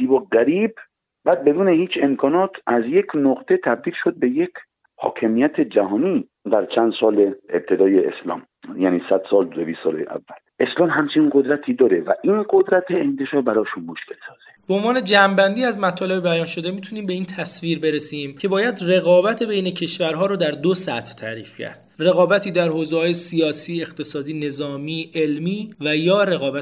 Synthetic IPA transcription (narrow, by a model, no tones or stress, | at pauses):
ziːbɔɡæɾiːb | bæːd̪̚be̞d̪uːnehiːt͡ʃʰe̞mkʰɒːnɒːt̪ʰʔæzje̞kʰnoqt̪ʰet̪ʰæb̚d̪iːlʃod̪̚be̞jekʰ | hɒ̰ːkʰemijæt̪ʰe̞d͡ʒæhɒːniː | d̪æɾt͡ʃʰænd̪sɒːleeb̚t̪ʰe̞d̪ɒːjeḛslɒ̰ːm | jæːniːsæd̪̥sɒːlebiːsɒːlḛʔæ̰vːælʔe̞slɒːmɦæmt͡ʃʰeinɡod̪ɾæt̪ʰiːd̪ɒːɾevæʔiːnɡod̪ɾæt̪ʰeent̪ʰeʃɒːɾbæɾɒːʃunmoʃkelsɒːz̥ebeonvɒːne̞d͡ʒæmbænd̪iːæzmæt̪ʰɒːle̞bebæjɒːnʃo̞d̪e̞miːt̪ʰuniːmbe̞iːnt̪ʰæsviːɾbe̞ɾesiːmcʰe̞bɒːjæd̪re̞ɣɒːbæt̪ʰebejne̞cʰe̞ʃvæɾɦɒːɾoːd̪æɾd̪osæ̰t̪ʰt̪ʰæːɾiːfcʰæ̰ɾd̪̥re̞ɣɒːbæt̪ʰiːd̪æɾhoːzehɒːjesijɒːsiːe̞χt̪ʰe̞sɒːd̪iːne̞zɒːmiːe̞lmiːvæjɒːɾe̞ɣɒːbæ